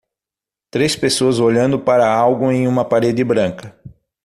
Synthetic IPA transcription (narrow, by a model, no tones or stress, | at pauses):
t̪ɾespesoɐzoʎɐ̃nd̪ʊpaɾɐawɡʊẽj̃ũmɐpaɾed͡ʒ̪ɪbɾɐ̃ŋkɐ